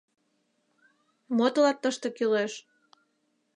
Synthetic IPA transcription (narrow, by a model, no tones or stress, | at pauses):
mot̪olɑk̚t̪əʃt̪okyleʃ